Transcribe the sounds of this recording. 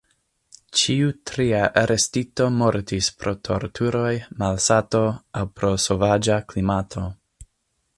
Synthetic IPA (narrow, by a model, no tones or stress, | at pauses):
t͡ʃiutɾiaʔaɾestito̞mo̞ɾtispɾo̞tʰo̞ɾtʰuɾo̞jmalsatoawpɾo̞sovad͡ʒaklimatʰo̞